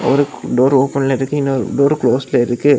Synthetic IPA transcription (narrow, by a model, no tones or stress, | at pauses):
ɔ̰ɾɯɖoːɾoːpɐnlɐɪɾɯkːɯɪnːɐɖoːɾkloːsɪlɐɪɾɯkːɯ